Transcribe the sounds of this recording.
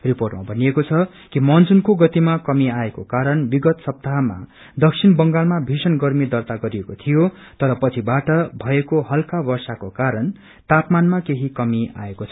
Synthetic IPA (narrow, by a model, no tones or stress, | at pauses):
riporʈma̰bʱʌnijekot͡sʰʌ | kimʌnd͡zunkoɡʌt̪imakʌmiaekokaɾʌnbiɡʌt̪sʌb̚t̪aɦma̰ | d̪ʌksʰinbʌŋɡalmabʱisʌnɡʌrmid̪ʌrt̪aɡʌɾijekot̪ʰijo | t̪ʌɾʌpʌt͡sʰibaʈʌbʱʌekoɦʌlkabʌrsakokaɾʌn | t̪apmanmakeɦikʌmia̰ekot͡sʰʌ̥